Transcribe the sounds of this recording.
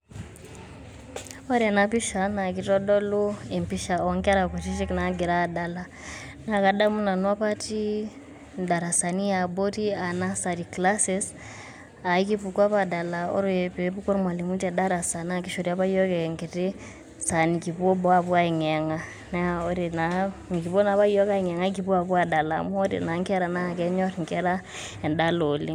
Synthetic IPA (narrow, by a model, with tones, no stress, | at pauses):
ɔ˦ɾɛ˨na˦pi˦ʃa˨na˨ki˨tɔ˦dɔ˦lu˦e˨mpi˦ʃa˨ɔ˨ŋka˦ɾa˨ko˨t͡ʃi˦ʃi˦kna˨˦ɡi˨ɾa˦˨da˦la˨ | n˦a˨ka˨da˦mu˦na˨nwa˦pa˦ti˦ | da˨ɾa˨sa˨ni˦ja˨bo˦ti˦a˨na˦sa˨ɾi˨kla˦sɛ˦s | a˨i˦ki˦pu˨kwa˦pa˨da˨la˨ɔ̰˦ɾpe˦pu˦kɔ˦ɾmwa˨li˨mu˦tɛ˨da˦ɾa˨sa˨na˦ki˦ʃo˨ɾi˦a˦pa˦ijɔ˦kɛ˨ŋke˨ti˦ | sa˨ni˨ki˨bo˦bɔ˦a˦pwa˦i˨ŋɛ˨ŋa˦ | nɛ˦o˦ɾi˨na˨ŋ˨ki˨bo˦na˦βa˦i˦ɔ˦ka˦i˨ŋɛ˨ŋa˦k̬i˨bu˦a˨bwa˦˨da˨la˨mu˦ɔ˦ɾḭ˨na˨˦ŋkɛ˦ɾa˨na˦˨kɛ˦ɲɔ˦ɾŋkɛ˦ɾa˦ | ɛ˨nda˦lo˨li˦